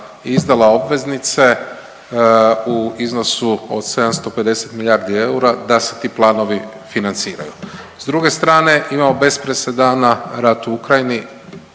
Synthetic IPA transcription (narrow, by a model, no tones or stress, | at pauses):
izd̪alao̞bʋe̞znit̪se̞ | uizno̞suo̰d̪̥se̞d̪amst̪o̞pe̞d̪e̞se̞t̪miʎʲaːɾd̪ie̞uɾad̪ase̞̥t̪iːplˠaːno̞ʋi | finant̪siːɾa̰jṵ | zd̪ɾuɡe̞st̪ɾaːne̞ʔimamobe̞spɾesed̪anaɾat̪uukɾajini